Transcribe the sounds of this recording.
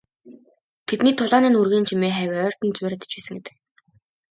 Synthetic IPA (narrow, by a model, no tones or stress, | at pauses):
t̪ʰet̪niːt̪ʰʊɮaːniːnurɣeːnt͡ɕʰimeːχæwʲœːr̥t̪ɘ̆nt͡swʊːɾæt̪ə̥̆t͡ɕpæːsə̆ŋɡet̪ɘ̥̆k̚